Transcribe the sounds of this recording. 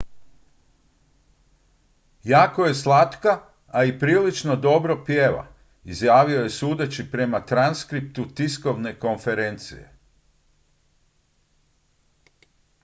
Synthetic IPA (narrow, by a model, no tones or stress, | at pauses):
jaːkoje̞slˠat̪kaː | ipɾiːlit͡ʃno̞d̪o̞bɾo̞pjeːʋa̰ | izjaːʋioje̞suːd̪et͡ɕipɾe̞mat̪ɾanskɾip̚t̪ut̪isko̞ʋne̞ko̞nfe̞ɾe̞nt̪sḭje̞̰